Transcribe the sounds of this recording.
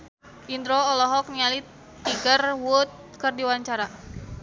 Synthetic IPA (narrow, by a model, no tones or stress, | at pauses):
ʔind̪ɾɔɔlɔɦɔk̚niali | t̪iɡərwut̪̚kɨrdiwaɲt͡ʃaɾa